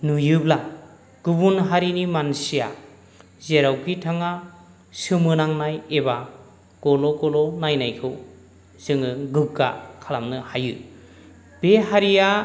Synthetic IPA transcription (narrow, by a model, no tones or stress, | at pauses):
nujɯbla | ɡ̥ɯbunɦaɾinimansija̰ | zeɾawkʰitʰaŋa | sɯmɯnaŋnajeβa | ɡ̥ɔlɔɡɔlɔnajnajkʰɯw | z̥ɯŋɯɡɯɡa̰kʰalamnɯhajɯ | b̥eɦaɾija